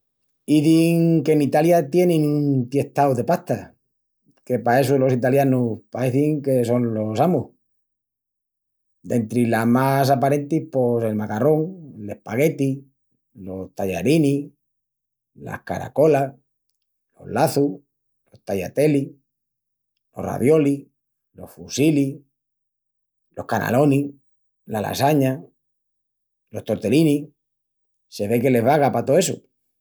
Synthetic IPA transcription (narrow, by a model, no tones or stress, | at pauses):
iðiŋke̞nit̪aljat̪je̞nẽŋunt̪je̞ht̪awðe̞paht̪a | ke̞pae̞solo̞sit̪aljanupaeθiŋke̞so̞nlo̞samuh | d̪e̞nt̪ɾilamas̬apaɾe̞nt̪ihpose̞lmakaro̞ŋle̞hpaɣe̞t̪i | lo̞st̪aʎaɾini | la̰hka̰ɾa̰ko̞la | lo̞̰hlaθu | lo̞ht̪aʎat̪e̞li | lo̞̰ra̰ðjo̞li | lo̞hfusili | lo̞hkana̰lo̞ni | lala̰saɲa | lo̞ht̪o̞ɾt̪e̞lini | se̞βe̞ke̞le̞ɦβaɣapat̪oeso̰